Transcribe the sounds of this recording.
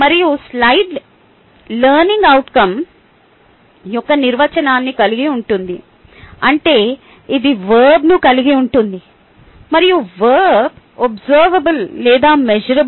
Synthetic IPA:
mɐɾijuslɐjɖ | lɐːɾniŋɡɐwʈkɐm | jɔkːɐniɾʋɐt͡ʃɐnaːnːikɐliɡiuɳʈund̪i | ɐɳʈe̞ː | id̪iʋɐːɾɾbnukɐliɡiuɳʈund̪i | mɐɾijuʋɐːɾb | obzɐːɾʋɐbɐlːɛːd̪aːmed͡ʒɐɾɐb

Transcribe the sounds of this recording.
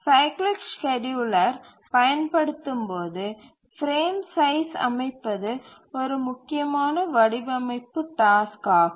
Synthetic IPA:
sɐɪklɪkskɛd͡ʒuːlɐɾ | pɐjɐnpɐɽɯt̪ːɯmpoːðɯ | fɾeːmsɐɪsɐ̰mɐɪpːɐðɯ | ɔɾɯmʊkːɪjɐmaːnɐʋɐɽɪbɐmɐɪpːɯʈaːskaː

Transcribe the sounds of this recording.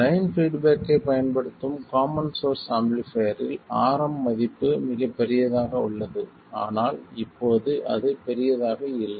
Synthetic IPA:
lɐjɪnfiːɖbeːkːeɪpɐjɐnpɐɽɯt̪ːɯmkaːmɐnsoːɾsaːmblɪfejɾɪlaːɾɐmːɐðɪpːɯmɪɣɐpːɛɾɪjɐðaːɣɐʊɭːɐðɯ | a̰ːnaːlɪpːoːðɯʔɐ̰ðɯpɛɾɪjɐðaːɣɐɪlːɐ

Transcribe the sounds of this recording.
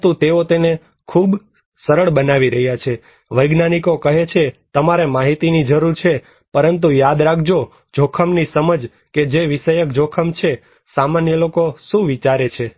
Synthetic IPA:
t̪ũt̪eot̪ene | kʰub | səɾəɭbənaʋiɾəɦjat͡ʃʰe | ʋəjɡnanikokəɦet͡ʃʰet̪əmaɾemaɦit̪inid͡ʒəɾuɾt͡ʃʰe | pəɾənt̪̬ũjad̪ɾakʰd͡ʒo | d͡ʒʱokʰəmnisəməd͡ʒ | ked͡ʒeʋiʃəjək̚d͡ʒʱokʰəmt͡ʃʰe | samanjəlokoʃũʋit͡ʃaɾet͡ʃʰe

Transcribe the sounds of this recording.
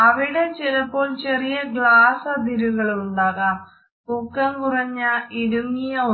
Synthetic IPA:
ɐʋiɽe̞t͡ɕinɐpːo̞ːɭt͡ɕe̞rijɐɡɭaːsɐd̪iɾuɣɐɭuɳɖaːɣaːm | pokːɐmkurɐɲːɐiɾuŋːijɐ

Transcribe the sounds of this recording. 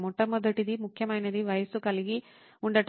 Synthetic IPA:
mɔʈːɐmɐd̪ɐʈːid̪imukʰjɐmaːjinɐd̪iʋɐjɐsukɐliɡi | uɳɖɐʈ

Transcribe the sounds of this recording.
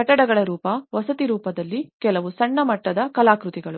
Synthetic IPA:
ɐʈːɐɽɐɡɐɭɐɾuːpɐʋɐsɐt̪iɾuːpɐd̪ɐlːikɛlɐʋusɐɳːɐmɐʈːɐd̪ɐkɐlaːkɾut̪iɡɐɭu

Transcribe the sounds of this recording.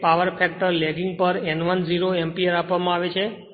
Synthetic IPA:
paʋəɾfʰɛk̚ʈəɾlɛɡɪŋɡ̚pəɾɛnʋənd͡ʒiɾoɛmpiəɾapʋamãaʋet͡ʃʰe

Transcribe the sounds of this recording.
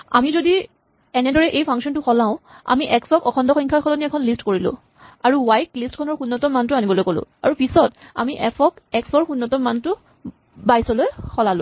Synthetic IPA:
a̰mizodi | ɛnɛdɔɹɛʔejpʰaŋksɔntʊxɔlãʊ̃a̰miʔɛksɔkɔkʰɔndɔxɔŋkʰaɹkʰɔlɔniɛkʰɔnlistkoɹilʊ̰̃ | aɹuwajklistkʰɔnɔɹxunːɔtɔmantʊanibɔlojkolʊ̰̃a̰ɹupisɔta̰miʔɛpʰɔkɛksɔɹxunːɔtɔmːantʊ | bajsɔlojxʰɔlalʊ̰̃

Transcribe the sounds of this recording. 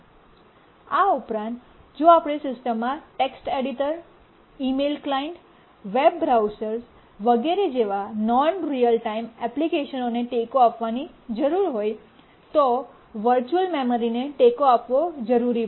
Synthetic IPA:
aupɾãnt̪ | d͡ʒoapɽ̃esɪsʈəmːãʈeksʈeɽiʈəɾ | imelklaiɳʈ | ʋebːɾawsəɾs | ʋəɡeɾed͡ʒeʋanɔnɾijəlʈaimɛplikeʃənoneʈekoapʋani | d͡ʒəɾuɾɦoj | t̪o | ʋəɾt͡ʃuəlmeməɾineʈekoapʋod͡ʒəɾuɾi

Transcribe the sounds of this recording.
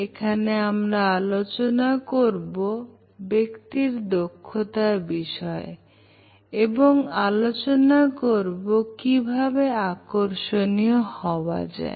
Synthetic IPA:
ekʰaneamɾaalot͡ɕonakoɾbo | bekt̪iɾd̪okʰːot̪aɾbiʃɔe | eboŋalot͡ɕonakoɾbokibʱabeakoɾʃonijohɔoa̰d͡ʑa̰ḛ

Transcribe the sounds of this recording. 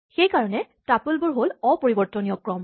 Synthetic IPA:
xejkaɹɔnɛ | tapʊlbʊɹɦolɔpoɹibɔɹtɔnijɔkɹɔm

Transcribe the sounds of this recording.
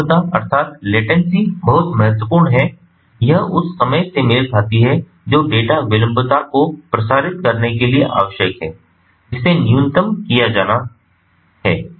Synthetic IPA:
t̪aɐ̰ɾt̪ʰaːt̪leːʈənsibɐɦʊt̪mɐɦɛt̪wəpuːɾɳɦɛ | jɐɦʊsːɐməjsemɪlkʰaːt̪iɦɛ | d͡ʒoːɖeːʈaʋɪlə̃mpət̪akopɾɐsaːɾɪt̪̚kɐɾnekelieʔa̰ːʋəʃjəkɦɛː | ɪsenjũnɪt̪əmkijad͡ʒaːna | ɦɛː

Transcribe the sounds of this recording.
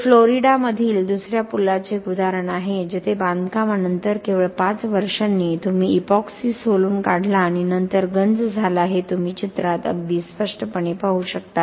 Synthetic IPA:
floɾiɽaməd̪ʱiːld̪usɾjapulat͡seɡud̪aɾəɳaɦed͡ʑet̪ʰeband̪ʱkamanənt̪əɾkeʋəɭpat͡sʋəɾʂanːiːt̪um̤iːpɔksisɦoluːnkaɽ̤ʱlaːɽ̃inənt̪əɾɡənd͡zd͡zʱalaaɦet̪um̤iːt͡ɕit̪ɾat̪ə̰ɡd̪iːspəʂʈəpəɳepaɦuɕək̚t̪a

